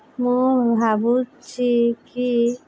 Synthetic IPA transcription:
mũbʱabut͡ʃʰiki

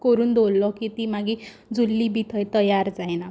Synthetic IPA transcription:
kɔɾuːnd̪ʱolːɔkit̪imaɡi | d͡zulːibit̪ʰəjt̪ʌjaɾd͡zajna

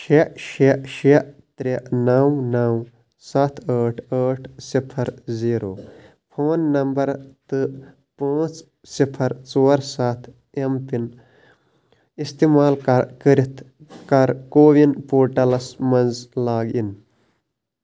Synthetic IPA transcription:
ʃeʔʃeʔʃeʔt̪ɾeʔnawnaw | sɐt̪ʰəːʈʰəːʈʰsipʰɐɾziːɾoː | pʰoːnːɐmbɐɾt̪ɨ | pãːt͡s | sipʰɐɾt͡soːɾsat̪ʰ | empin | ist̪imaːlkɐɾkəɾit̪ʰ | kɐɾkoːʋinpoːɾʈɐlɐsmɐnzlaːɡin

